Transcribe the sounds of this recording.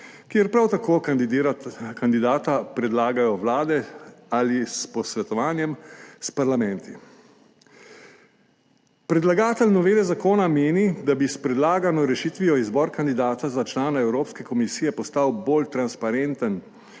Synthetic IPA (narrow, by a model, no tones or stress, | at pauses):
kjeɛɾpɾawt̪akʰoː | kand̪id̪aːt̪apɾɛd̪laːɡajɔwlaːd̪ɛalispɔsʋɛt̪ɔʋaːnjɛmspaɾlamɛ̃nt̪i | pɾɛd̪laɡaːt̪ɛlnɔʋeːlɛzakoːnameːnid̪abispɾɛd̪laːɡanɔɾɛʃiːt̪ʋijɔizbɔɾkand̪id̪aːt̪azat͡ʃlaːnaɛwɾoːpskɛkɔmisiːjɛpɔst̪awboːlt̪ɾanspaɾent̪ən